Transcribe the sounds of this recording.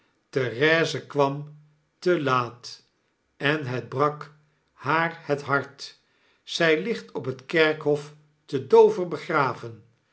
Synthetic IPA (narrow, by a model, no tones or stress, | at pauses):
terɛːzəkʋɑm | təlaːt | ɛnɦɛd̚brɑk | haːɹhətɦɑɹt | sɛjlɪχtɔpɦətkɛɹkɦɔf | tədowvəɹbəχraːvən